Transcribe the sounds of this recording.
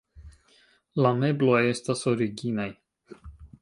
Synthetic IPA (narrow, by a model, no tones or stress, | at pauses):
lame̞blo̞je̞st̪aso̞ɾiɡinaj